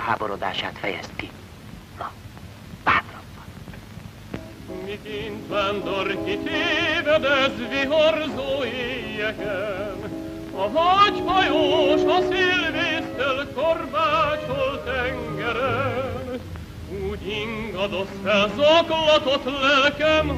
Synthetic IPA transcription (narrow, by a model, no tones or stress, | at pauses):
ha̰ːboɾod̪a̰ːʃa̰ːt̪fɛjɛ̰st̪̚ki | lɒ | baːt̪rɒːɒn | mikint̪land̪orkit̪eːvɛd̪ɛzviɦorzoːeːjːɛkɛn | ɒɦɒɟfɒjoːʃɒsilveːst̪ɛlkormaːt͡ʃolt̪ɛŋɡɛɾɛn | uːɟiŋɡɒd̪o̞sfɛlzoklɒt̪ot̪lɛlkɛm